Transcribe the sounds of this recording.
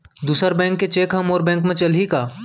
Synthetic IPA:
d̪uːsəɾbɛ̃ːŋkːet͡ʃeːkɦɐmoːɾbɛ̃ːŋkmẽt͡ʃɐlɦikaː

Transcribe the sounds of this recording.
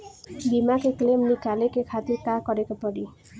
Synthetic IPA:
bimakeklemnikalekekʰat̪iɾkakɔɾekapɔɽi

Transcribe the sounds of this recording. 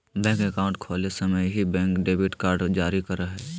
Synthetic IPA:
bɛ̃ːŋkekaːʊ̃ɳʈkʰoːlesəməjɦibɛ̃ːŋkɖeːbɪʈkaːɾɖd͡ʒaːɾikɐɾəɦɛː

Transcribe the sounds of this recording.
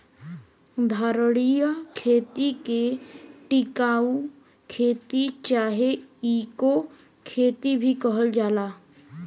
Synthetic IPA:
d̪ʱaːɾəɽijəkʰeːt̪ikeʈɪkaːu | kʰeːt̪it͡ʃaːɦeiːko | kʰeːt̪ibʱikəɦəld͡ʒaːlaː

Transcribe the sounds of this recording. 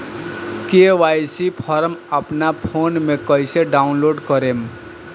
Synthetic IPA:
keʋajsipʰɔɾməpnapʰonmekʌjseɖaunloɖkəɾem

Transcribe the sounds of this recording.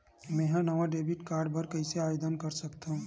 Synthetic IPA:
mɛ̃ːɦãnɐʋaɖeːbɪʈkaːɾɖbɐɾkɐiseaːjoːd̪ənkɐɾsɐkt̪aɦũː

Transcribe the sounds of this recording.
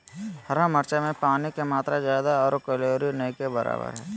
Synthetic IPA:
hɐɾaməɾt͡ʃamẽpaːnikemaːt̪ɾazjaːd̪aɔːɾkəloːɾinɐikebəɾa̰ːbə̰ɾɦɛː

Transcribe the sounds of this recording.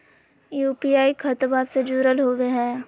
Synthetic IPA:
juːpiaːikʰət̪baːsed͡ʒuːɾəlɦoːʋeɦɛː

